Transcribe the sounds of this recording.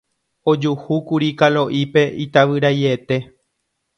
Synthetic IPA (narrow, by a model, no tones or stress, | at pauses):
o̞d͡ʒuhukuɾikalo̞ʔipe̞it̪aʋɨɾajet̪e̞